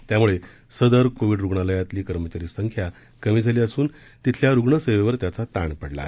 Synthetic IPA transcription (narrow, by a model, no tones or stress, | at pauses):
t̪jamuɭe | səd̪əɾkoʋiɖɾuɡɳaləjat̪liːkəɾmət͡ɕaɾiːsəŋkʰja | kəmiːd͡zʱaliːəsuːn | t̪it̪ʰljaɾuɡɳəsəjʋeʋəɾt̪jat͡sat̪aɳpəɽla̰